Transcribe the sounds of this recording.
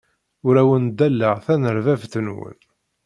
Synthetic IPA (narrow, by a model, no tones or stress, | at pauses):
ʊɾæwənd̪ælːəʁθænəɾvævθənwə̰n